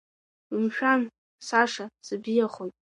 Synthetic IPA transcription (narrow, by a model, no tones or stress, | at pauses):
ɨmʃᶣan | saʂasɨbijaχojtʼ